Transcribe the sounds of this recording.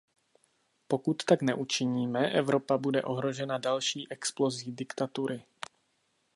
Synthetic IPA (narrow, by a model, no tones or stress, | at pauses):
po̞kut̪ːaknɛʔut͡ʃɪɲiːmɛʔɛvɾo̞pabudɛ̰ʔo̞ɦɾo̞ʒɛnadalʃiːʔɛksplo̞zidɪkt̪at̪uɾɪ